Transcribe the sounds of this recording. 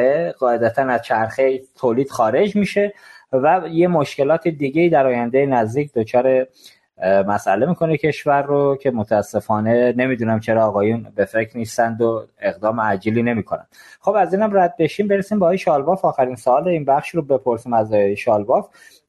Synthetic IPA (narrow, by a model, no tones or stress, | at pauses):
eɣ̥ɒːe̞d̪æt̪ʰænæzt͡ʃʰæɾxet̪ʰoːliːd̪̥xɒːɾe̞d͡ʒmiːʃe̞væje̞moʃce̞lɒːt̪ʰid̪iɟe̞iːd̪æɾɒːjænd̪jenæzd̪iːc̚ʰd̪ot͡ʃʰɒːɾe | mæsæ̰le̞miːkʰo̞necʰe̞ʃvæɾːocʰe̞mot̪ʰæːsːe̞fɒːne̞ne̞mid̪uːnæmt͡ʃʰe̞ɾɒːɣɒːjunbe̞fe̞cʰɾnist̪ænd̪oe̞ɣd̪ɒːmeæd͡ʒiːliːne̞miːkʰonæ̰mxo̞bæziːnæmræd̪̚be̞ʃimbeɾesimbeɒːjeʃɒːlbɒːfɒːxæɾinsoɒːleinbæxʃɾobe̞pʰo̞ɾsimæzɒːjjeʃɒːlbɒf